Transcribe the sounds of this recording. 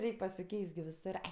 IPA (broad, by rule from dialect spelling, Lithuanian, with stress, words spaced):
ˈrʲɛɪkʲ pɐsʲɪˈkʲɛɪst ɡʲɪ ʋʲɪˈsʊr ˈɐɪ